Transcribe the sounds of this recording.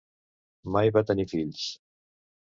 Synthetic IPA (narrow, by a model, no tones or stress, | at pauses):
majβat̪ənifiʎs